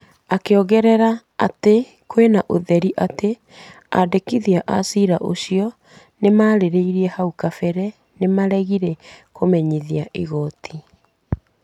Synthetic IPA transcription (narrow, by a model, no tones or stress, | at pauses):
akeoɣɛɾɛɾa | ate | kwenaʔoðɛɾiʔate | a̰dekiðiaʔasiɾaʔo̰ɕiɔ | nemaːɾeɾeiɾiɛhaukafɛɾɛ | nemaɾɛɣiɾɛkomɛɲiðiaʔiɣɔtʰi